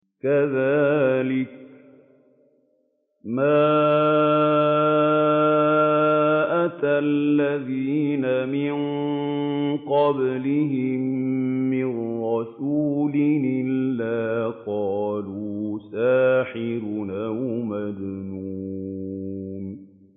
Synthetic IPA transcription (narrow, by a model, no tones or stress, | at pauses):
kaðaːlɪk̚ | maː | ʔat̪alːaðiːnamɪnn | qɑblɪɦɪmː | ɪrɾɑsuːlɪʔʔɪlːaːqɑːluːsaːħɪɾnʔawmad̪nuː | n